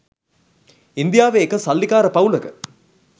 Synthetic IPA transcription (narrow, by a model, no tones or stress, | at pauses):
ind̪ijaːʋeːkəsɐlːikaːɾəpɐwlɐkə